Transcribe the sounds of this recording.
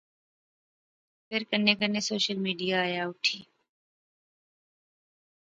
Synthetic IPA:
pʰɪɾkəɾnekənesoːʃəlmiːɖijaːjaʊʈʰiː

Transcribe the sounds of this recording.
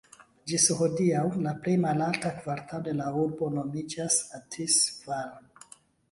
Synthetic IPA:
d͡ʒisho̞diawlaple̞jmalaltakvaɾtʰalode̞lauɾbo̞no̞mid͡ʒasatʰisvaɾ

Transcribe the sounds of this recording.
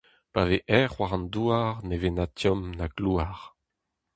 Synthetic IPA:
paveʔɛʁːwaʁɑ̃nd̪uaʁnevenatjɔmnaɡluaʁ

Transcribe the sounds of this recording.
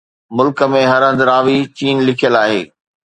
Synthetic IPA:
mʊlkə̆mẽɦɐɾə̃nd̪ɾaːʋit͡ɕiːnlɪkʰijəlaːɦḛː

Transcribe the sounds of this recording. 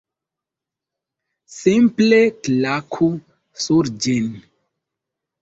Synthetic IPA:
simpleklakʰu | suɾd͡ʒin

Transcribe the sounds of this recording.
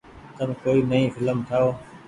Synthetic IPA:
t̪əmkoːiːnəɦĩːfʰɪləmt̪ʰaːoː

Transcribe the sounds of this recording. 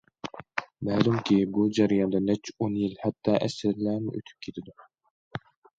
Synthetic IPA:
mɛːlumkʲibud͡ʒɛɾɨjɑnd̪ɑnɛt͡ʃʰonjilhɛt̪ʰːɑːʔɛsɪɾlæmɪ̰ʔø̰t̪ʰy̥p̚kʲʰet̪ʰɪd̪u

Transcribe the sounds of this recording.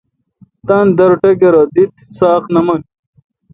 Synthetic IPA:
t̪and̪ɐɾʈɐkeɾɐd̪it̪saːqnɐmɐŋ

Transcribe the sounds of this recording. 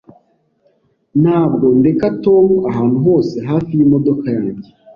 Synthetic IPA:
nhaːb̚ɡo̞nde̞kato̞maɦaːnhuɦo̞ːse̞ɦaːfijimo̞do̞kajaːɲɟe

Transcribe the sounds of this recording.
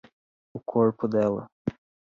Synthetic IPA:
ʊkʰoɾpʊd̪ɛlɐ̰

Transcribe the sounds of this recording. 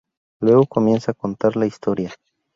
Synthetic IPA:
lwe̞ɣo̞ko̞mje̞nsaːko̞nt̪aɾlaist̪o̞ɾja

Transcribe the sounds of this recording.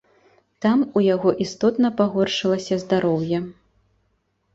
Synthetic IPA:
t̪amujaɣɔʔist̪ɔt̪nɐpaɣɔrʂɨlˠɐsʲɐzd̪aɾɔwjɐ

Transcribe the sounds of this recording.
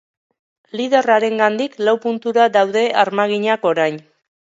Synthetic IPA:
lið̞eraɾe̞ŋɡand̪iklawpunt̪uɾad̪awð̞e̞ʔaɾmaɣ̞iɲako̞ɾajn

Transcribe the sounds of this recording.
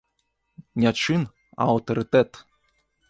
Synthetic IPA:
nʲat͡ʃɨn | a̰ot̪oɾɨt̪ɛt̪

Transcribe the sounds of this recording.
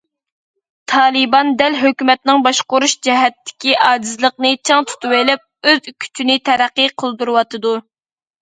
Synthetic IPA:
t̪ʰɑːlˠɨbɑnd̪ɛlɦøkʲymɛt̪nɪŋbɑʃqʊɾuʃd͡ʒɛɦɛt̪ːɪ̥kʲiʔɑːd͡ʒizlˠəq̚nɨt͡ʃʰɑŋt̪ʰu̥t̪ʰuwelɛp̚øzykʲʰy̥t͡ʃʰynɪt̪ʰɛɾæqːiqʰəlˠd̪uɾɨwɑt̪ʰɨd̪u

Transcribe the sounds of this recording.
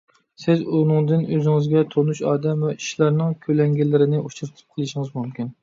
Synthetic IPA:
sɪzunɨŋd̪ɪnøzɪŋɪzɡʲɛt̪ʰonuʃɑːd̪ɛmvɛi̥ʃlˠɑɾnɨŋkʲʰølɛŋɡʲɛlːɪɾɪnɪʔut͡ʃʰuɾt̪ʰɨ̥p̚qʰəlˠɨʃɪŋɨzmumkʲyn

